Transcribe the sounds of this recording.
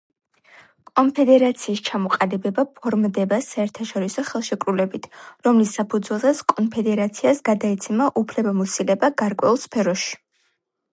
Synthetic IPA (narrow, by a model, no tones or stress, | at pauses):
kʼɔmpʰɛd̪ɛɾat̪sʰiːst͡ʃʰamɔqʼalibɛbapʰɔɾmd̪ɛbasaɛɾt̪ʰaʃɔɾisɔχɛlˠʃɛkʼɾulɛbit̪ʰɾɔmlisːapʰud̪zwɛlˠzɛt̪skʼɔnpʰɛd̪ɛɾat̪sʰiasɡad̪aɛt̪sʰɛmaʔupʰlɛbamɔsilɛbaɡaɾkʼwɛulˠspʰɛɾɔʃi̥